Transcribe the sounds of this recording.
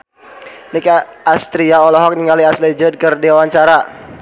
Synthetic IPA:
nikaast̪ɾiaɔlɔɦɔk̚niŋɡaliaslid͡ʒəd̚kərdewawaɲt͡ʃaɾa

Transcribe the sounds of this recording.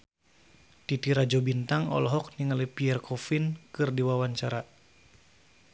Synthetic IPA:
t̪it̪iɾad͡ʒɔbint̪aŋɔ̰lɔɦɔk̚niŋalipiɛrkʰɔfinkɨrdiwawaɲt͡ʃaɾa

